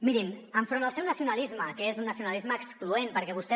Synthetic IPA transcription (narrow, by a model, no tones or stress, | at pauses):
miɾinəɱfɾondəlˠsɛwnəsiunəlizməkəezunːəsiunəlizməːkskluenpəɾkɛβust̪ɛ